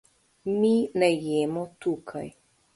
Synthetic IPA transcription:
minajjɛːmɔt̪uːkʰaj

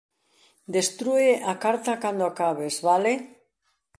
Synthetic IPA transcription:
d̪est̪ɾueʔakaɾt̪akand̪oakaβ̞ezβale

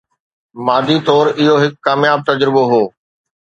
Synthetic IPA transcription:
maːd̪ʱit̪ɔːɾɪɦoɦɪkːaːmjaːb̚t̪ɐd͡ʑɾɪboɦoː

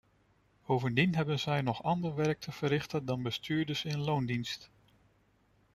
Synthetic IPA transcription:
b̥owvəndinɦɛbənzɛjnɔχɑndəɹʋɛɹk̚tʰəv̥əɾɪχtədɑnbəstʰyːɹdəsɪnlowndinst

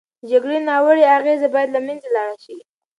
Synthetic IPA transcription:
d͡ʒaɡɽenɑwəɽeaɣezebɑjad̪lamanzelɑɽaʃi

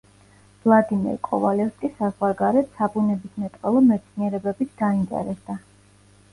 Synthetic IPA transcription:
vlˠad̪imɛ̰ɾkʼɔ̰valɛfskʼisazwaɾɡaɾɛt̪sabunɛbismɛt̪ʼqʼɛlˠɔmɛt̪sʰniɛɾɛbɛbisʰd̪aint̪ʼɛ̰ɾɛsd̪a

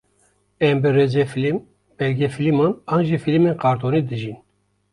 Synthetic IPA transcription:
ɛmbɨɾeːd͡ʒɛfilim | b̥ɛlɡefilimɑːnɑːnʒifilmenqɑːɾt̪ʰoːniːd̪ɨʒin

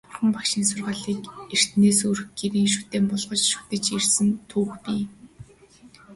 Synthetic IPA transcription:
ʊrχə̆mpakʃiːnsʊrʁaːɮiːker̥t̪neːsurɵxɡeɾiːŋʃu̥t̪eːmpɔɮʁɞ̆t͡ɕʃu̥t̪ɘ̆t͡ɕirsɘ̆nt̪ʰuːxpiː

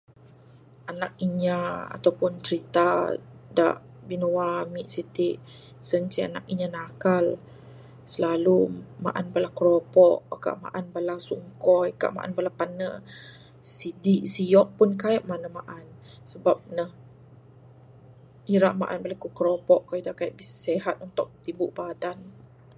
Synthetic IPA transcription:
anak̚iɲaa̰t̪awpʊnt͡ʃɾit̪ada̰ʔ | binuwamiʔsit̪iʔ | sənsia̰na̰kiɲanakal | səlaluma̰ʔanbalakɾopɔʔka̰ʔma̰ʔanbalasuŋkɔjka̰ʔma̰ʔa̰nbalapanə | sidiʔsijɔʔ̚punkajəʔmanəmaʔan | səbap̚nəh | iɾaʔma̰ʔanbalakukɾopɔʔkajidaʔkaiʔbisseɦat̪̚unt̪ʊk̚t̪ibuʔbadan

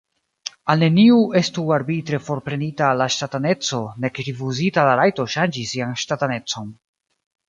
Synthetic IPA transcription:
alne̞niue̞stuaɾbitɾe̞fo̞ɾpɾe̞nitalːaʃtatane̞t͡so̞ne̞kɾifuzitalaɾajto̞ʃand͡ʒisːianʃtatane̞t͡so̞n

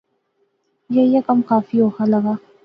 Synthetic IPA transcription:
jejekɐmkaːfioːxalɐɡaː

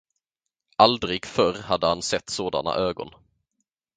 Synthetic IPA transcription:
ʔald̪ɾɪɡfœɾhad̪ːəhansɛt̪ːsoːd̪a̰na̰ʔøːɡɔ̰n

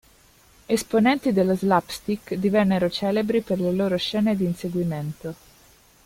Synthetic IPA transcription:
esponɛnt̪id̪elːozlapst̪ikd̪ivɛnːeɾot͡ʃɛːlebɾiperleloːɾoʃɛːned̪iːnseɡwiment̪o

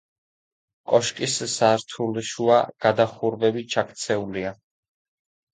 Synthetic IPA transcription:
kʼɔʃkʼissaɾt̪ʰulʃuaɡ̥ad̪aχuɾvɛbit͡ʃʰakʰt̪sʰɛulia

